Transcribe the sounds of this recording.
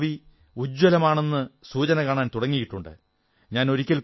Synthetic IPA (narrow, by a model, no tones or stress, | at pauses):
ʋi | ud͡ʑwɐlɐmaːɳe̞nːɨsuːt͡ɕɐnɐkaːɳaːnt̪uɽɐŋːijiʈːuɳɖɨ̰ | ɲaːno̞ɾikʲːɐlk